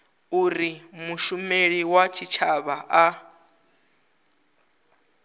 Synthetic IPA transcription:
uɾimuʃumeɺiwat͡ʃʰit͡ʃʰaβaʔa

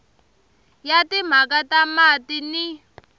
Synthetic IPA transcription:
jatim̤akatamatini

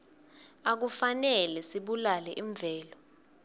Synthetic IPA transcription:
ak̬ufanɛlɛsiɓulalɛʔiɱb̪vʱɛːlɔ

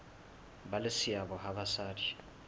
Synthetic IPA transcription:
balɪsiaβɔɦaβasaːdi

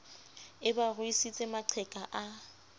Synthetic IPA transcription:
ɪbarʊisit͡sʼemaǃʰɛkʼaʔa

